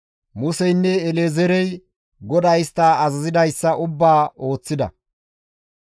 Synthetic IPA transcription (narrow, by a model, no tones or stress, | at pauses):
mʊsɛjnːɛːlezɛɾɛj | ɡɔd̪ɐjst̪ːaːɐzɐzɪd̪ɐjsːɐʔʊbːaːo̞ːt͡sːɪd̪ɐ̰